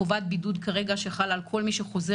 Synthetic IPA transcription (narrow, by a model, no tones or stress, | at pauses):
ovat̪̚bidud̪kaʁe̞ɡaʃeχalalkʰo̞lmiʃeχo̞ze